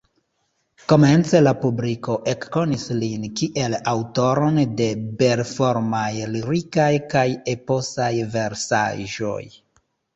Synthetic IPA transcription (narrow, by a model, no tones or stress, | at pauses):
ko̞me̞nt͡se̞lapubliko̞ʔe̞kːo̞nislinkiʔe̞lawto̞ɾo̞nde̞be̞ɾfo̞ɾmajliɾikajkajepo̞sajve̞ɾsa̰ʒo̞̰j